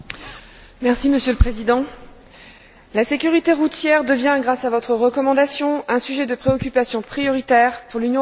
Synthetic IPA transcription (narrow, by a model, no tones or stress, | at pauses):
mɛʁsiməsjøləpχezid̪ɑ̃ | lasekʲyʁit̪eʁut̪jɛʁd̪əvjɛ̃ɡʁasavɔt̪χəʁəkɔmɑ̃d̪asjɔ̃ɛ̃syʒɛd̪əpχeɔkʲypasjɔ̃pχijɔʁit̪ɛʁpuʁlynjɔ̃